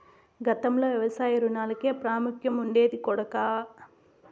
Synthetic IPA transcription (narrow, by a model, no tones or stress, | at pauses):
ɡɐt̪ɐmloːʋjɐʋɐsaːjɐɾunaːlɐke̞ːpɾaːmukʰjɐmuɳɖe̞ːd̪ikɔɽɐkaː